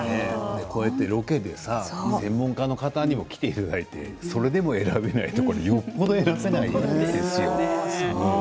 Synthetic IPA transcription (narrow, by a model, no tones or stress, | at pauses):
ned̪ekʰoːet̪ːeɾo̞ke̞d̪e̞sasẽ̞mːõ̞ŋkano̞kat̪aɲ̟imo̞kʲi̥t̪e̞it̪ad̪ait̪e̞̰ | so̞ɾe̞d̪e̞mo̞e̞ɾabe̞nait̪okoɾejo̞pːod̪oeɾabe̞naid̪e̞sɨjo̞̰